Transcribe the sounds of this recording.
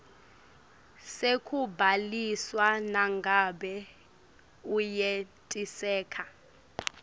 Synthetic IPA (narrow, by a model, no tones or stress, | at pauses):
sekʰubʱaliswanaŋɡʱaɓɛ | ujetʼisɛːkʰa